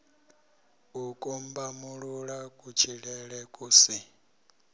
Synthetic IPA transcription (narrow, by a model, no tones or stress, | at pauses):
ukʼumbamuɺuɺakʼut͡ʃʰiɺɛɺɛkʼuːsi